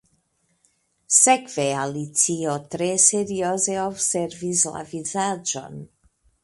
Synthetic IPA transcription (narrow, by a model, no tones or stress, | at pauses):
sekvealit͡siot̪ɾeseɾiozeobseɾvizla̰vizad͡ʒo̰n